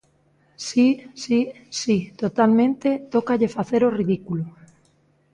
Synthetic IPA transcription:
sisi | sit̪ot̪almẽnt̪et̪okaʎefaθeɾoriðikulo

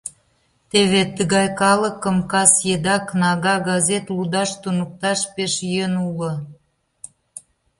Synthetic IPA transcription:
t̪eβet̪əɣɑjkɑlə̆kəmkɑsjed̪ɑknɑɣɑɣɑzet̪lud̪ɑʃt̪unuk̚t̪ɑʃpeʃjənulə̆

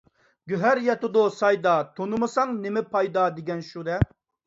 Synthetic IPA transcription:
ɡʲyɦæɾjɛt̪ʊd̪ʊsɑjd̪ɑt̪ʰonɨmɨsɑŋnɪmɪpʰɑjd̪ɑd̪ɪɡʲɛnʃud̪ɛ

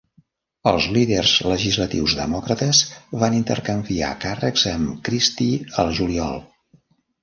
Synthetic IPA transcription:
əlˠzliðərzləʒizlət̪ḭwzðə̰mɔkɾət̪əzβanint̪ə̰rkəmbia̰karəkzəmkɾist̪iəlˠʒuliɔ̰lˠ

